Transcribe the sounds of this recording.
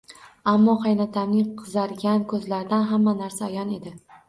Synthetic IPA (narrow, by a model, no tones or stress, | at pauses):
amːɒqɑjnat̪ʰamnɪqʰɨzaɾɡʲankʰɵzlaɾd̪anɦamːanaɾsaːjɒne̞d̪ɪ